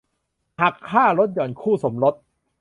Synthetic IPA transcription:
ha˨˩kʰːaː˥˩ɾo˦˥t̪̚jɔː˨˩˦nkʰuː˥˩so˩˦mɾo˦˥t̪̚

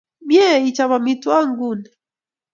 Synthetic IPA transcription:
bjɛ˦i˨t͡ʃa˨βa˨mi˦twa˦ŋɡu˦˨nɛ

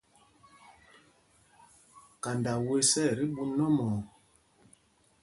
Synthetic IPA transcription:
ka˨nda˨we˦sɛ˦˨ɾi˦ɓu˦nɔ˦mɔː˨

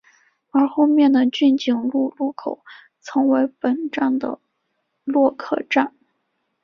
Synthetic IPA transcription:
ə˞˧˥xo˥˧ʊmjɛ˥˩nd̪ə˩t͡ɕy˥˩nt͡ɕi˨˩ŋlu˥˧lu˥˩kʰo˨˩˦ʊ | t͡sʰɤ˧˥ŋwe˧˥ɪpə˨˩nʈ͡ʂɑ˥˩ŋd̪ə̰˩ | lwɔ˥˧kʰɤ̰˥˧ʈ͡ʂa˥˩n

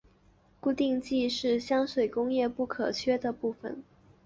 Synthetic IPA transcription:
ku˥˧t̪i˥˧ŋt͡ɕi˥˧ʂɻ̩˥˩ɕjɑ˥ŋʂwe˨˩ɪkʊ˥ŋjɛ˥˧pu˥˩kʰɤ˨˩t͡ɕʰɥɛ˥d̪ə˨pu˥˩fə̰˨˩n

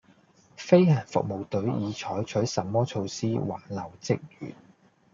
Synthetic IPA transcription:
fe˥jhaː˨˩nfʊ̰˨k̚mo˨wt̪ɵ˨˥ɥjiː˨˧t͡ʃʰɔː˨˥jt͡ʃʰɵ˨˥ɥsɐ˨mːɔː˥t͡ʃʰo˧wsiː˥wa̰ː˨˩nlɐ˨˩wt͡sɪ˥k̚jyː˨t̚

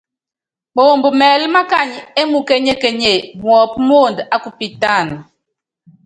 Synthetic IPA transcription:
mo˨mbmɛː˨lma˦ka˦˨ɲe˦mu˨ke˦ɲe˦ke˨ɲe˨mwɔ˨p̚mo˦˨nda˦ku˨pi˨ta˦˨n

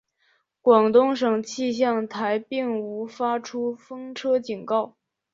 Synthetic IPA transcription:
kwɑ˨˩ŋt̪ʊ˥ŋʂɤ˨˩ŋt͡ɕʰi˥˧ɕjɑ˥˩ŋt̪ʰa˧˥ɪpi˥˩ŋu˧˥fa˥ʈ͡ʂʰu˥fɤ˥ŋʈ͡ʂʰɤ˥t͡ɕi˨˩nkɑ˥˩ʊ

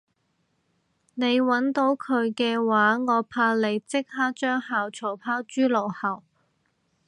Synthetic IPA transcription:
ne˨˧jwɐ˨˥nt̪o˨˥wkʰɵ˨˧ɥkɛː˧waː˨˥ŋɔː˨˧pʰaː˧le˨˧jt͡sɪ˥k̚haː˥t͡ʃœː˥ŋhaː˨wt͡ʃʰo˨˩wpʰaː˥wt͡ʃyː˥lo˨˩whɐ˨˩w

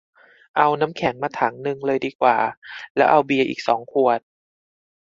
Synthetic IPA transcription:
ʔa˧wna˦˥mkʰɛ˩˦ŋmaː˧t̪ʰa˩˦ŋnɯ˧ŋlɤː˧jdiː˧kwaː˨˩lɛ˦˥wʔa˧wbi˧ɐʔḭː˨˩k̚sɔː˩˦ŋkʰu˨˩ət̪̚

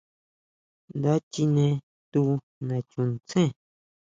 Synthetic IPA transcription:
nd̪a˦t͡ʃi˧nẽ˧ | t̪u˦˧ | nã˨t͡ʃũ˧n˧t͡sẽ˦˨

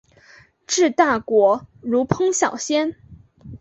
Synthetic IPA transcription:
ʈ͡ʂɻ̩˥˧t̪a˥˩kwɔ˧˥ɻu˧˥pʰɤ˥ŋɕjɑ˨˩ʊɕjɛ˥n

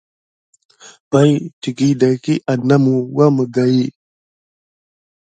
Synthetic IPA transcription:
ba˦jti˨ki˦da˨jki˦ʔa˨na˦mu˨wa˦mə˨ɡa˨ji˦

